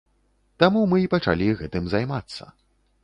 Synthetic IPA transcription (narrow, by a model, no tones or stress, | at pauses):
t̪amumɨipɐt͡ʂa̰lʲiɣɛt̪ɨmzajmat̪sːɐ̰